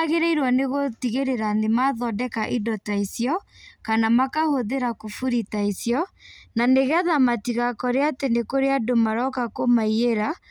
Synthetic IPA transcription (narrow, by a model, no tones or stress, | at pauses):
ɣeɾeiɾwaneɣotiɣeɾeɾanemaðɔdɛkaʔidɔtaisjɔkanamakahoðeɾakofuɾitaisjɔnaneɣaðamatiɣakɔɾeatenekoɾeadomaɾɔkakomaieɾa